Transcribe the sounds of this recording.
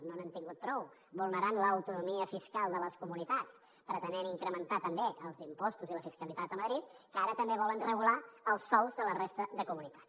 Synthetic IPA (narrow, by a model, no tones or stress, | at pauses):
noanənt̪iŋɡut̪̚pɾɔw | bulˠnəɾanləːwt̪unumiəfiskalˠd̪ələskumunit̪at͡s | pəɾət̪ənɛɾiŋkɾəmənt̪at̪əmbeʔəlˠzimpɔst̪uziləfiskəlit̪at̪əməðɾit̪̚kəaɾət̪əmbeβɔlənrəɣulaəlˠsːɔwzðələrest̪əðəkumunit̪ḁ